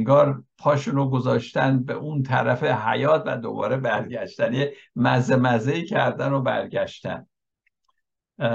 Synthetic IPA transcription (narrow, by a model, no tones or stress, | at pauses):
ŋɡɒːɾpʰɒːʃunoɡozɒːʃt̪ænbḛʔunt̪ʰæɾæfehæ̰jɒːt̪ʰvæ̰d̪o̞̰bɒ̰ːɾebæɾɟæʃt̪ænjemæzemæzeiːcʰæɾd̪ænobæ̰ɾɡæʃt̪æ̰n